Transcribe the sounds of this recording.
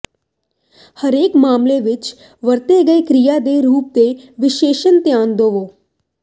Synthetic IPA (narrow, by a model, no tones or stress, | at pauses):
həɾeːkmaːmleʋɪt͡ʃ | ʋəɾt̪eɡəekɾɪjaːd̪eːɾuːp̚d̪eːʋɪʃeːʃənt̪jaːnd̪oːʋoː